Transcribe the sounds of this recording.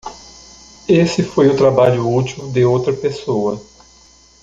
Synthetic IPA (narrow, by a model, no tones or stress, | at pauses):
esɪfojʊt̪ɾabaʎʊut͡ʃ̪iwd̪ɪowt̪ɾɐpesoɐ